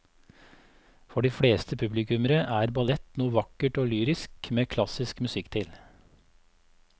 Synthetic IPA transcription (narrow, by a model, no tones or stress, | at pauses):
fɔɖiːfɽeːst̪ʰəpʰʉblɪkʉməɾəʔæːɾbɑlɛt̪nuːəʋɑkəʈoːlyːɾɪskmeːkʰlɑsɪskmʉsɪkt̪ʰɪl